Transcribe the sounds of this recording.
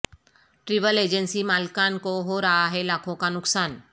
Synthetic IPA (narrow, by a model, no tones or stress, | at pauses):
ʈɾiʋəled͡ʒənsimalkankoɦoɾaaɦelakʰokanʊksaːn